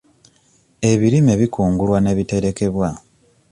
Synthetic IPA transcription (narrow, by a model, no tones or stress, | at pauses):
e̞βiɾime̞βikuːŋɡulwane̞βite̞ɾe̞ke̞βwa